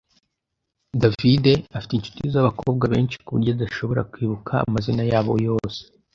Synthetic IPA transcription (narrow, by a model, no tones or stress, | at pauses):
davide̞afi̥teint͡ʃu̥tijezjaβakʰo̞ːb̚ɡwaβe̞̰ːnʃi̥kuβṵɾɟodaʃo̞βo̞ɾa̰kwiːβukʰa̰ːmazinajaːβo̞̰jo̞ːse̥